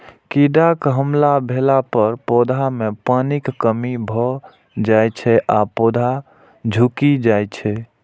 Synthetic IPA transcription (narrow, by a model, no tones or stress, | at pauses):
kiɖakɦəmlabʱelapəɾpod̪ʱamepənikːəmibʱɔ | d͡ʒajt͡ʃʰɛʔapod̪ʱa | d͡ʒʱukid͡ʒajt͡ʃʰɛ